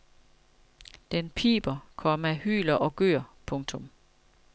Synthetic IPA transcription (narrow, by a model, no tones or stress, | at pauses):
d̥enpʰḭːb̥ɐkʰɒ̽mæhy̰ːlɐʔɒ̽ɡ̥ø̰ɐ̰pʰɔ̽ŋt͡sʰɔ̽m